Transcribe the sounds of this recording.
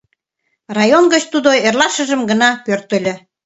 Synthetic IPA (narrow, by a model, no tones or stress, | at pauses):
rɑjonɡət͡ɕt̪ud̪oerlɑʃə̆ʒəmɡənɑpørt̪ə̆lʲø̆